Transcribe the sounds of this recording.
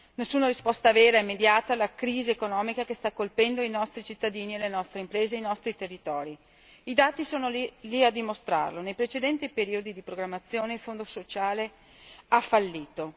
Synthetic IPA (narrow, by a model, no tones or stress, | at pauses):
nesːuːnaɾispɔst̪aveːɾaɛemːed̪jaːt̪aːlːakɾiːzeːkonɔːmikakest̪akːolpɛnd̪oinɔst̪ɾit͡ʃit̪ːad̪iːnielenɔst̪ɾeimpɾeːzeːjnɔst̪ɾit̪erːit̪ɔːɾi | id̪aːt̪isoːnoliad̪ːimost̪ɾa̰rlonejpɾet͡ʃed̪ɛnt̪ipeɾiod̪id̪ipɾoɡɾamːat̪sːjoːneilfond̪osot͡ʃaːle | afːalːiːt̪o